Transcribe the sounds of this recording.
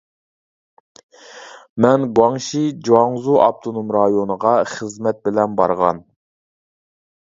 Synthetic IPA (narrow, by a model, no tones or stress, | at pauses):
mɛnɡwɑŋʃid͡ʒɑŋzuʔɑp̚t̪ʰonumɾɑjonəʁɑχəzmɛt̪̚bɪlɛnbɑɾʁɑ̰n